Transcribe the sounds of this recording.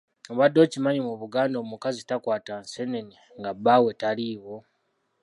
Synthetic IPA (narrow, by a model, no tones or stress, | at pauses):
oβadːo̞cimaɲimuβuɡaːndomukazitakwaːtanseneni | ŋɡabawetaliːβo